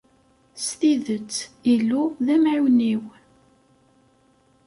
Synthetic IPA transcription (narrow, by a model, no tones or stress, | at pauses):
sθiðət͡sːilːuðæmʕiwniw